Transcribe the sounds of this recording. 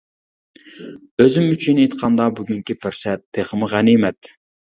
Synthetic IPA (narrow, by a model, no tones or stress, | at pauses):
øzymyt͡ʃʰinet̪qʰɑnd̪ɑbyɡʲyŋkʲipʰɪɾsɛt̪ʰːeχəmɨʁænimɛt̪